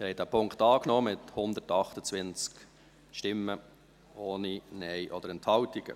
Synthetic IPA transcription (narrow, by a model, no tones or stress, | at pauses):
ɛɾhɛt̚dæːpʰʊŋktɑːknɔːmɪthʊnd̪ətɑχtət͡sʋɪnt͡sk | ʃtɪmːə | oːninɛɪʔɔd̥̪əɾɛntʰhɑltiɡ̥ə̰